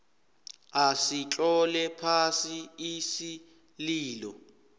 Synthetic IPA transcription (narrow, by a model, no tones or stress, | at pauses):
asit͡ɬʼɔlɛpʰasiisi | liːlɔ